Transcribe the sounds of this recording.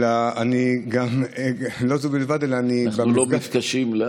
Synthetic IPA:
laaniɡamlozubilvad̪elaːninbamilomɡafkaʃimle

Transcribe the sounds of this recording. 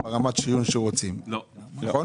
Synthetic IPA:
eʁamat̪ʃijunʃeʁot͡simno

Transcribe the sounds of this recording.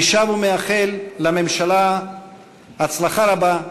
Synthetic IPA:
ʃavumeaχelːame̞mʃala | at͡slaχaɾaba

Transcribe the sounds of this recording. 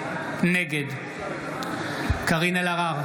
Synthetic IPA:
neɡed̪ | kaʁinalaʁaʁ

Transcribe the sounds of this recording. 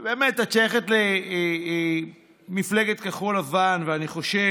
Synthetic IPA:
beːmetat͡ʃeeχet̪le | mifleɡet̪kaχolavanveaniχo̞ʃe

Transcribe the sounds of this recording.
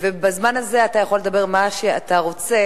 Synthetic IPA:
vebazmanaze̞atajaχole̞d̪abe̞ʁmaʃeataʁo̞t͡se̞

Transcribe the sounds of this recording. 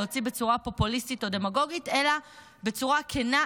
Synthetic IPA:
ot͡sibe̞t͡suʁapo̞pulistito̞de̞maɡo̞ɡite̞la | be̞t͡suʁakʰena

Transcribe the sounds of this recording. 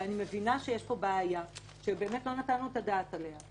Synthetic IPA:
anime̞vinaʃejeʃpo̞baːja | ʃebe̞ːmetlo̞natanuetadaːtale̞ɦa

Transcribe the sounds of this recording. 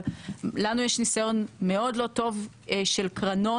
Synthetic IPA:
lanujeʃnisajo̞nme̞o̞dlo̞to̞v | ʃelkʁɐno̞

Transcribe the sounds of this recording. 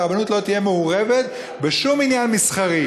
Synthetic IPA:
banut̪lo̞t̪ije̞meuʁeve̞t̪ | be̞ʃuminjanmisχaʁi

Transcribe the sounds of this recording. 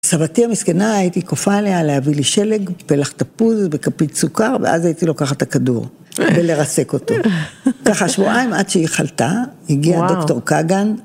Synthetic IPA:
savatiamiskenaːjitikofale̞aleaviliʃe̞le̞ɡpelaχt̪apuzbekapitsukaʁvḛʔa̰zaitilo̞kaχatakadṵʁ | bele̞ʁase̞ko̞to̞kaχaʃvuʔaimʔadʃeiχaltaiɡiado̞kto̞ʁkaɡan

